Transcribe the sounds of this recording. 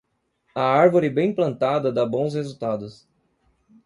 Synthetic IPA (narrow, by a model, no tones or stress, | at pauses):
ɐaɾvoɾɪbẽj̃plɐ̃nt̪ad̪ɐd̪abõw̃shezuwt̪ad̪ʊs